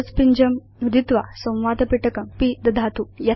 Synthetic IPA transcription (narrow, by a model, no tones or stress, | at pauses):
t͡spiɲd͡ʒɐm | nud̪ʱit̪ʋa̰sɐ̃w̃ʋaːd̪ɐpiʈɐkɐmpid̪ɐd̪ʱaːt̪ujɐ